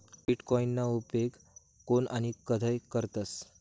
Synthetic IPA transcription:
biʈkɔinːaupeɡ | kːonanikəd̪ʱəjkəɾt̪əs

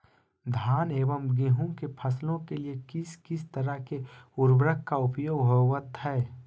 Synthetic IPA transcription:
d̪ʱaːneːʋəmɡiɦũkepʰɐslõkeliekɪskɪst̪ɐɾəɦkeʊɾbɾəkːaʊpjoːɡɦoʋət̪ɦɛː

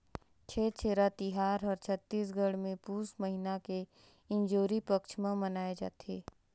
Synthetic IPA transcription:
t͡ʃʰɛːt͡ʃʰeːɾat̪ɪɦaːɾɔːɾt͡ʃʰət̪ːiːs̬ɡəɽmẽpuːsməɦinake | ɪ̃nd͡ʒoːɾipəkʃʰmãmənaːed͡ʒa̰ːt̪eː

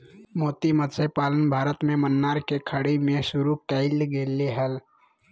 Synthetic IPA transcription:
mot̪imət̪səpalənbʱaɾət̪memənːaɾkekʰəɽimesuɾukɛɪlɡeleɦəl

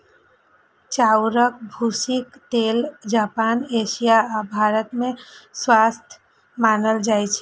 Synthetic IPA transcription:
t͡ʃaːwɾək̚bʱuːsɪkt̪eːld͡ʒaːpaːneːʃijabʱaːɾət̪mẽswaːst̪ʰj | maːnəld͡ʒaːjt͡ʃʰɛ

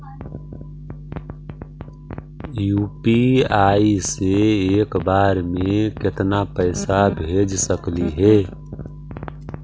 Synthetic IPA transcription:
juːpiaːiseeːkbaːɾmẽkɪt̪napəɪsabʱeːd͡ʒsəkliɦɛ

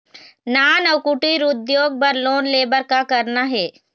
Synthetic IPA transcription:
naːnɐwkʊʈiɾʊd̪joːɡ̚pɐɾloːnleːbəɾkakɐɾnaɦɛː

